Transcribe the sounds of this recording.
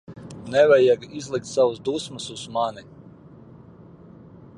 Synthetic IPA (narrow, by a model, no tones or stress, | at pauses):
nɛvɛjɛɡizlˠik̚t̪sawəsd̪usməsuz̥mani